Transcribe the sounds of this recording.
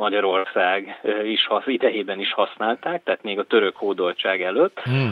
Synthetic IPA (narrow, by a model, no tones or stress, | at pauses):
mɒɟɒɾo̞rsaːɡiʃhɒsid̪ɛjeːbɛniʃhɒsnaːlt̪aːk̚t̪ɛːt̪meːɡɒt̪ø̞ɾø̞khoːd̪o̞lt͡ʃaːɡɛløːt̪ː